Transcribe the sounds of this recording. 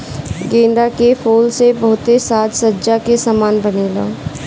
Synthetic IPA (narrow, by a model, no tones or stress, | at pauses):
ɡẽːnɖakefʰoːlsebɐɦʊt̪esaːt̪sədːd͡ʒakesamaːnbəneːlã̰ː